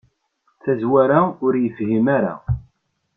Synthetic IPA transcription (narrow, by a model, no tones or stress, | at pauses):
θæzwæɾaʊɾjəfhimaɾa̰